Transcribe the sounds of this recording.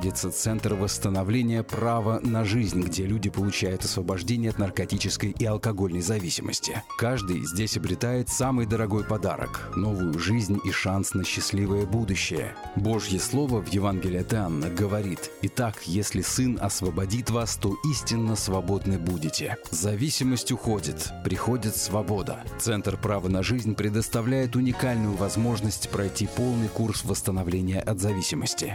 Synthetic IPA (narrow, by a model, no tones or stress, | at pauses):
dʲɪt̪sət̪sɛnt̪rvəst̪ənɐvlʲenʲɪjəpravənɐʐɨzʲnʲɡdʲelʲudʲɪpəlˠʊt͡ɕæjʊt̪ɐsvəbɐʐdʲenʲɪjəɐt̪nərkɐtʲit͡ɕɪskəjʔiɐlˠkɐɡo̞lʲnəjzɐvʲisʲɪmə̰sʲtʲɪ̰kaʐd̪ɨjzʲdʲesʲɐbɾʲɪt̪ajɪt̪samɨjd̪əɾɐɡo̞jpɐd̪a̰ɾə̰kno̞vʊjʊʐɨzʲnʲiʂansnəɕːɪsʲlʲivəjəbud̪ʊɕːɪjə̰ | bo̞ʐjəslˠo̞vəvjɪvanɡʲɪlʲɪɐt̪ɨanːəɡəvɐɾʲit̪ɪt̪akjesʲlʲɪsɨnɐ̰svəbɐdʲit̪vast̪o̞ʔisʲtʲɪnːəsvɐbo̞d̪nɨbudʲɪtʲɪzzɐvʲisʲɪməsʲtʲʊxo̞dʲɪt̪pɾʲɪxo̞dʲɪt̪svɐbo̞d̪ə̰t̪sɛnt̪rpɾavənɐʐɨzʲnʲpɾʲɪd̪əst̪ɐvlʲæjɪt̪ʊnʲɪkalʲnʊjʊvɐzmo̞ʐnəsʲtʲpɾɐjtʲipo̞lˠnɨjkursvəst̪ənɐvlʲenʲɪjəʔɐd̪zɐvʲisʲɪməsʲtʲɪ